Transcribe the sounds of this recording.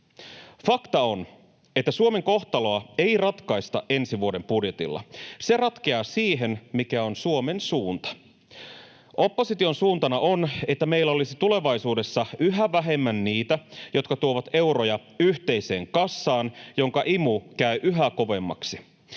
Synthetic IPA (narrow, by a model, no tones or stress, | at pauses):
fɑkt̪ɑon | et̪ːæsuome̞ŋko̞ht̪ɑlo̞ɑe̞irɑt̪kɑist̪ɑʔe̞nsiʋuode̞mpudjet̪ḭlːɑ̰se̞rɑt̪keɑːsiːɦe̞nmikæo̞nsuome̞nsuːnt̪ɑ̥ | ʔo̞pːo̞sit̪io̞nsuːnt̪ɑnɑʔonet̪ːæme̞ilːæo̞lisit̪ule̞ʋɑjsuːde̞sːɑʔyɦæʋæɦe̞mːænːiːt̪æjo̞t̪kɑt̪uoʋɑt̪e̞uɾojɑ | yht̪e̞ise̞ːŋkɑsːɑːnjo̞ŋkɑʔimukæyʔyɦæko̞ʋe̞mːɑ̰ksi